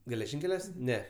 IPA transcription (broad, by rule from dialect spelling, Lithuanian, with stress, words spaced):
ɡʲɛlʲɛˈʒʲɪŋʲkʲɛlʲuɔs ˈnʲɛ